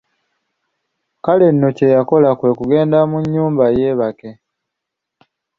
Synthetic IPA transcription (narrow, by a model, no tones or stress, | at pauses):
kale̞nːo̞ce̞jako̞lakwe̞ːkuɡe̞ːndamuɲːuːmbaje̞ːβake̞